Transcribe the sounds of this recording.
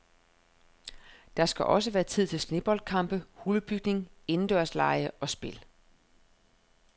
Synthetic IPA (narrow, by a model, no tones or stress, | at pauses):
d̥ɑ̈sɡ̥æʔɒ̽s̬əʋæːɐt͡sʰið̞̰ˠt͡sʰe̝lsne̝b̥ɒ̽ld̥̚kʰɑ̈m̰b̥əhuləb̥yɡ̥̚ne̝ŋe̝n̩d̥ɶɐ̰slɑ̈ɪəʔɒ̽sb̥e̝l